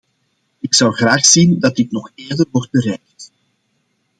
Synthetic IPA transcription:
ɪksɑwɣraːxsindɑtɪknɔxeːrdərʋɔrt̚bəɾɛjk̚t

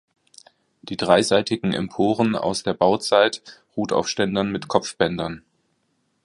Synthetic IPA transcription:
d̥iːdʁaɪzaɪtɪɡŋ̩ʔɛ̰mpʰoːʁəna̰ʊsd̥eːɐbaʊt͡saɪtʁuːtʰa̰ʊfʃtɛndɐnmɪtkʰɔp͡fb̥ɛndɐn

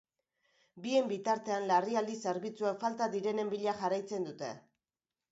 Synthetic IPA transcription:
bie̞mbit̪aɾt̪e̞anlariald̪ise̞ɾβit͡suekfalt̪aðiɾe̞ne̞mbiʎaxarajt͡se̞nd̪ut̪e̞̰

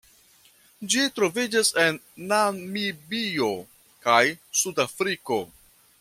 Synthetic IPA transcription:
d͡ʒitɾo̞vid͡ʒase̞nː | amibio̞ | kajsudafɾiko̞

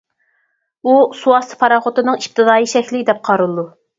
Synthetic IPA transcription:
usuɑst̪ʰɨ̥pʰɑɾɑχʊt̪ɨnɨŋip̚t̪ʰɨd̪ɑːjiʃɛkʲlɪd̪ɛp̚qʰɑɾɨlˠd̪u

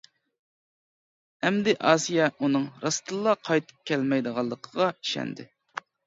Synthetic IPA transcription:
ɛmd̪ɪʔɑːsijɛʔunɨŋɾɑst̪ʰɨlˠːɑqʰɑjt̪ʰɨ̥p̚kʲʰɛlmɛjd̪əʁɑlˠːəqʰəʁɑi̥ʃɛ̰nd̪ɪ̰

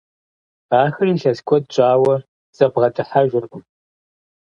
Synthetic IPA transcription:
aːxɨriːɬɐskʷʰʼɔdt͡ʃʷʼaːwɐ | z̥ɐbʁɐtʰʼɨħaʒʷᶣʊrʔʷʼʊm

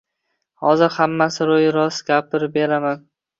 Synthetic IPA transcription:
hɒzɪɾhamːasɪɾojɾɒsɡʲapɪɾɪp̚be̞ɾaman

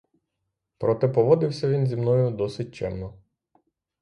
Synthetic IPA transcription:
pɾɔt̪ɛpɔʋɔd̪ɪwsʲɐʋʲinzʲimnɔjʊd̪ɔsɪt̚ʲt͡ʃɛmnɔ

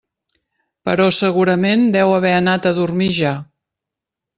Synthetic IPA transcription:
pə̰ɾɔsəɣuɾəmend̪ɛwəβ̞ɛənat̪əðuɾmiʒa

